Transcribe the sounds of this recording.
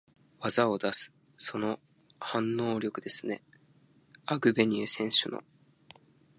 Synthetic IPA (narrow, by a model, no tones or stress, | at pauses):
βazao̞d̪asɨ̥ | so̞no̞ | hãnːo̞ːɾʲo̞kɯ̟d̪e̞sɨne̞ | aɡɯ̟be̞ɲ̟iesẽ̞ɰ̃ɕɨno̰